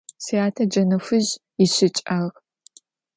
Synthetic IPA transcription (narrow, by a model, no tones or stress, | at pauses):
siaːtʰɐd͡ʒɐnɐfʷɨʑ | ɪɕɪt͡ʃʼɐʁ